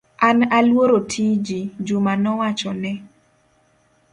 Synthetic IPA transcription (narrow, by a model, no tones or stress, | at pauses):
ʔanalwoɾotʰid͡ʒid͡ʒumanɔwat͡ʃɔnɛ